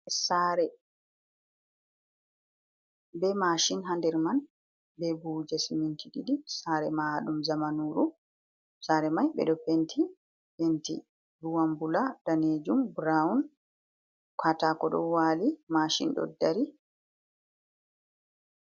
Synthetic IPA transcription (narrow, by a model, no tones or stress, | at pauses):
saːɾɛ | bɛmaʃinɦandɛɾman | bɛbud͡ʒasimintʰiɗiɗisaːɾɛmaɗumzamanuɾu | saːɾɛmajɓɛ̰ɗɔpentʰi | pentḭ | ɾuwambuladaned͡ʒumbɾaun | kʰatakɔɗɔ̰waːlimaʃḭnɗɔ̰dːaɾi